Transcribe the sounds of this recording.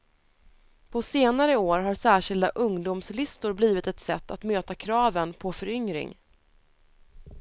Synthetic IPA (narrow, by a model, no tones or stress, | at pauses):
pʰɔseːnaɾəoːɾɦaɾsæːʂɪld̪aʔɵŋd̪ʊmslɪst̪ʊɾbliːvɪt̪ɛt̪sɛt̪ːat̪møːt̪akʰɾɑːvənpʰɔfœɾʏŋɾɪ̰ŋ